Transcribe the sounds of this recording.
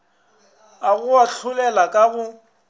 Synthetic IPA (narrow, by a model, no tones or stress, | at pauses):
aɣʊaɬʰʊlɛlakʼaɣʊ